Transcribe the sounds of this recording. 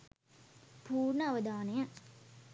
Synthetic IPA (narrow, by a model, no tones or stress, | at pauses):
puːɾnɐɐʋɐd̪aːnɐjɐ